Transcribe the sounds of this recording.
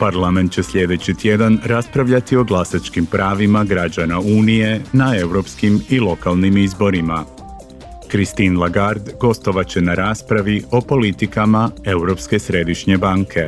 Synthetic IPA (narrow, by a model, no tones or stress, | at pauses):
paɾlame̞nt̪t͡ɕe̞sʎe̞d̪e̞t͡ɕit̪je̞d̪anɾaspɾaʋʎat̪io̞ɡlˠasat͡ʃkimpɾaːʋimaɡɾad͡ʒanauːnije̞nae̞wɾo̞pskimilˠo̞kalˠnimizbo̞ɾima | kɾist̪inlˠaɡaɾd̪ɡo̞st̪o̞ʋat͡ɕe̞naɾaːspɾaʋio̞po̞lit̪ikamae̞wɾo̞pske̞sɾe̞d̪iʃɲe̞baːŋkʰe̞